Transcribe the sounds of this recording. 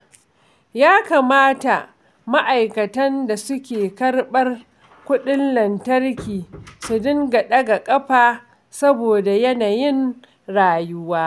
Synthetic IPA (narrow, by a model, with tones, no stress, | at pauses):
jaː˦kaː˨maː˦ta˨ | ma˦ʔa˨jkɐ˨tɐ˦nda˨sʊ˦kʲeː˨kɐ˦rɓɐ˦r | kʷʊ˦ɗɪ˦nlɐ˨ntɐ˦rkʲiː˨sʊ˨dʊ˦ŋɡɐ˨ɗɐ˦ɡa˨kʼɐ˦ɸaː˨ | sɐ˦boː˨da˨jɐ˦naː˨jɪ˦n | ɽaː˨jʊ˦waː˦